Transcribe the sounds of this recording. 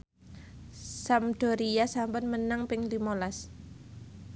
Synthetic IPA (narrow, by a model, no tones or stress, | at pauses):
samd̥ɔ̤ɾijasampʊnmənaŋpɪŋlimolas